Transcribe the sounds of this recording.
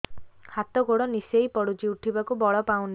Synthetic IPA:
hat̪ɔɡoɽɔnisejpɔɽut͡ʃiuʈʰibakubɔɭɔpaũn

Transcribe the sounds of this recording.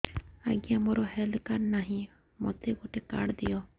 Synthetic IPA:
a̰ɡijamoɾɔɦɛlkaɾnaɦĩ | mɔ̰t̪eɡoʈeka̰ɽd̪ijɔ

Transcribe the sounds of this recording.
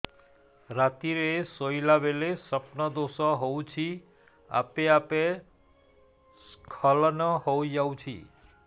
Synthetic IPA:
ɾat̪iɾesoilabelesəpnəd̪osɔɦoũt͡ʃʰi | a̰peape | skʰəlnəɦod͡ʒawt͡ʃʰḭ

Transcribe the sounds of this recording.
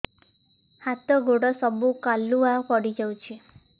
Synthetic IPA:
hat̪ɔɡʱoɽɔsɔbukaluapɔɽid͡ʒawt͡ʃʰi

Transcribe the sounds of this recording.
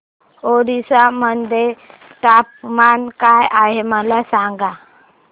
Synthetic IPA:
oɾisamənd̪e | ʈaːp̚mankajʔaɦeməlasaːŋɡa

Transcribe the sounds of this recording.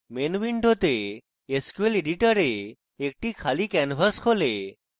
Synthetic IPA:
menʋiɳɖʱot̪eː | skueleɖiʈəɾeː | k̚ʈikʰaliːkɛnfəskʰole

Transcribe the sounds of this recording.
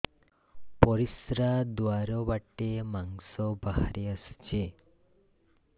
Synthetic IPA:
pɔɾisɾad̪uwaɾɔbaʈemaŋsɔbaɦa̰ɾiəst͡ʃe

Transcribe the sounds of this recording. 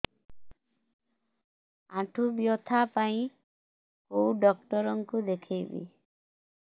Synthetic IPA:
ãʈʰubjɔt̪ʰapaĩ | kowɖɔk̚ʈɔɾɔŋkud̪ekʰejbḭ

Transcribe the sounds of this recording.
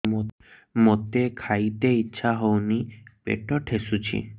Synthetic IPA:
mot̪ekʰajt̪eitːɕʰaɦownipḛʈoʈʰesut͡ɕʰḭ

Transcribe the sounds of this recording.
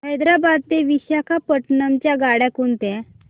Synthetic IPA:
ɦəjd̪ɾabad̪̚t̪eʋiɕjakʰapəʈnəmt͡ɕjaɡaɽɛ̃koɳt̪ɛ̃

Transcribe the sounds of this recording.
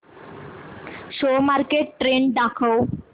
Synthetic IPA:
ʃomaɾkeʈʈɾeɳɖɖ̪akʰəw

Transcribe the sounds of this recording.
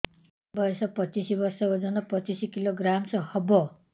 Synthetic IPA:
bʌsʌpʌt͡sisibʌrsʌod͡zʌnʌpʌt͡sisikiloɡɾamsʌhʌbʌ

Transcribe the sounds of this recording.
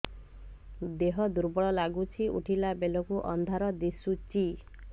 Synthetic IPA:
d̪eɦɔd̪uɾbɔɭɔlaɡut͡ʃʰiʔṵʈʰilabelɔkuʔɔnd̪ʱaɾɔd̪isut͡ʃi

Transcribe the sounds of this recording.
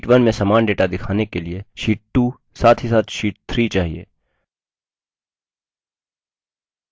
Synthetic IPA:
ʈʋɐnmẽsaːmaːnɖeːʈad̪ɪkʰaːnekelieʃiːʈ̚ʈuː | saːt̪ʰɦisaːt̪ʰʃiːʈ̚t̪ʰɾiːt͡ʃaːɦiḛː

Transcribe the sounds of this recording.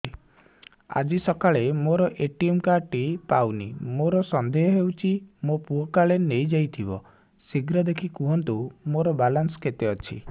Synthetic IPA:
a̰d͡ʒisɔkaɭemoɾɔʔeʈiemkaʈipawnḭmoɾɔsɔnd̪ʱeɦɔɦewt͡ʃʰimopuɦɔkaɭenejd͡ʒajt̪ʰibɔ | siɡɾɔd̪ekʰikuɦɔnt̪umoɾɔbalansɔ̥ket̪eɔt͡ʃʰḭ

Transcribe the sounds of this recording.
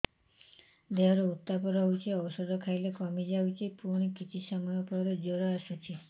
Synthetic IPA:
d̪eɦɔɾɔut̪ːapɔɾɔɦwt͡ʃʰiɔwɔsɔd̪ʱɔkʰajlekɔmid͡ʒawt͡ʃʰipuɾɳ̃ikit͡ʃʰisɔmɔjɔpɔɾɔd͡ʒoɾɔasut͡ʃʰi

